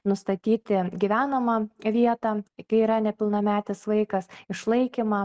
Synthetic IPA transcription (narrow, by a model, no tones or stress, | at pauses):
nʊst̪ɐt̪ʲiːt̪ʲɪɡʲɪʋʲæːnɐmɐʋʲiɛt̪ɐkɐɪiːɾɐnʲɛpʲɪlˠnɐmʲæːt̪ʲɪsʋɐɪkɐsɪʃlˠɐɪkʲɪmɐ